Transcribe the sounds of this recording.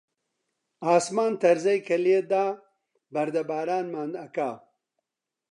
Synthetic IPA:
aːsmaːnt̪ɐɾzɐjkɐlied̪aː | bɐɾd̪ɐbaːɾaːnmaːnd̪ɐkaː

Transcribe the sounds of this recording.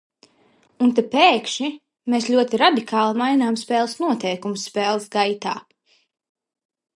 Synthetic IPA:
unt̪apɛːkʃi | meːsʎʲuɔt̪iɾad̪ikʰaːlˠimajnaːmspɛːlˠɨsnuɔt̪ɛjkumusːpɛːlˠsɡajt̪aː

